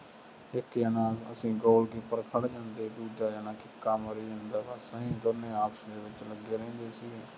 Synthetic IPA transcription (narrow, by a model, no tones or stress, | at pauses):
ɪkjaːnãːəsĩːɡoːlɡiːpəɾkʰəɽd͡ʒãːnd̪eːd̪uːd͡ʒaːjaːnaːkɪkːaːməɾiːɦə̃ːnd̪aːbəsəɦĩːd̪onẽːaːpsd̪eːʋɪt͡ʃləɡːeːɾɛ̃ːnd̪eːsiːɛː